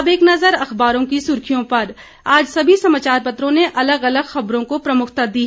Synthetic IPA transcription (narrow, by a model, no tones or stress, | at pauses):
beːknɐzəɾɐxbaːɾõkisʊɾkʰijõpɐɾ | aːd͡ʒsɐbʱisɐmaːt͡ʃaːɾpɐt̪ɾõneʔɐləɡɐləɡxɐbɾõkopɾɐmʊkʰt̪ad̪iɦ